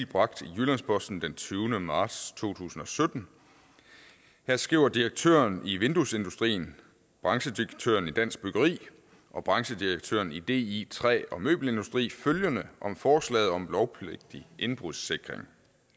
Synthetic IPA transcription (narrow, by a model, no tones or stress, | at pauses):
b̥ʁɑ̈ɡ̥̚d̥ijulænspʰɒ̽sd̥n̩d̥ent͡sʰyːʊnəmɑ̥̈ːst͡sʰo̝̰ːt͡sʰṵːsn̩ɒ̽sød̥n̩ | hæɐ̰sɡ̥ʁiʊɐd̥iʁeɡ̥̚t͡sʰø̰ːɐniʋe̝nd̥use̝nd̥usd̥ʁḭːn̩ | b̥ʁɑ̈ŋɕəd̥iɡ̥̚t͡sʰø̰ːɐnid̥æn̰sɡ̥̚b̥yɡ̥ɐʁḭː | ʔɒ̽b̥ʁɑ̈ŋɕəd̥iʁeɡ̥̚t͡sʰø̰ːɐnid̥e̝̰ːit͡sʰʁɛ̰ːɒ̽mø̰ːb̥l̩e̝nd̥usd̥ʁḭːføljənəʔɒ̽mfɒːslɛ̰ːð̩ˠɒ̽mlɒʊpʰleɡ̥̚d̥iʔe̝nb̥ʁuðˠse̝ɡ̥ʁeŋ